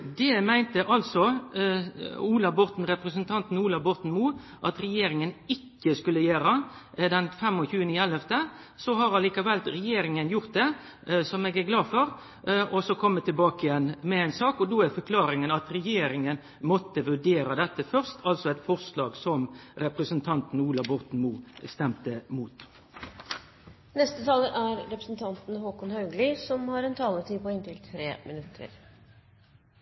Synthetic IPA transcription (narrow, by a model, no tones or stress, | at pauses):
d̪ɛmæɪnt̪əʔɑlsɔ | uːlɑʋbɔɾt̪n̩ɾɛpɾəsənt̪ʰɑnt̪n̩uːlɑʋbɔʁt̪n̩muː | ʔɑt̪ɾɛjeːɾɪŋənɪkːəskʉlːəjeːɾə | d̪ɛnfɛmːɔçʉːənəɪɛlːɛft̪ə | sɔhɑɾɑliːkɑʋɛlɾɛjeːɾɪŋənjʊʁt̪̚d̪ɛ | sɔmɛːɡæɾɡlɑːfɔɾ | ɔsɔkʰɔmːət̪ɪlbɑːkɪjɛnːmɛensɑːkɔd̪oæfɔkʰlɑːɾɪŋənɑt̪ɾɛjeːɾɪŋən | mɔt̪ːəʋʉɖeːɾɑd̪ɛt̪ːəfœʁst̪ʰɑlsɔɛɪt̪fɔʁslɑːɡsɔmɾɛpɾəsənt̪ʰɑnt̪n̩uːlɑbɔʁt̪n̩muːst̪ɛmt̪əmuːt̪ | nɛst̪ət̪ʰɑːləɾʔæɾɾɛpɾəsn̩t̪ʰɑnt̪n̩hoːkʊnhɑʉɡlɪsɔmhɑɾɛnt̪ʰɑːlət̪ʰiːpɔɪnt̪ɪlt̪ʰɾeːmɪnʉt̪ʰːə̰ɾ